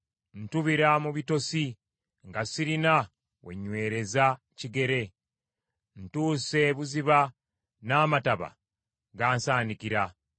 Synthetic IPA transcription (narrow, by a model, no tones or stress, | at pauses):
n̩tuβiɾamuβito̞si | ŋɡasiɾina | we̞̰ɲːwe̞ːɾe̞za | ciɡe̞ɾe̞ | n̩tuːse̞βuziβa | naːmataβa̰ | ɡaːnsaːndikiɾa